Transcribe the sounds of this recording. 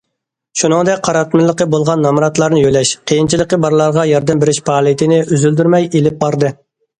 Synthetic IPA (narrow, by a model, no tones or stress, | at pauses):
ʃunɨŋd̪ɛk̚ʲqʰɑɾɑt̪mɪlˠːəqəbolˠʁɑnːɑmɾɑt̪lˠɑɾnɨjølɛʃqʰejint͡ʃʰilˠəqəbɑɾlˠɑɾʁɑjɑɾd̪ɛmbɪɾɪʃpʰɑːlˠijt̪ʰɪnɪʔyzyld̪yɾmɛjelɪp̚bɑɾd̪ɨ